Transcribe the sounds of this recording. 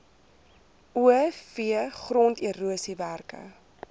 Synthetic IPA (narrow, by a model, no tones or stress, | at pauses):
uəfiəχrɔntiəɾuəsiværkə̰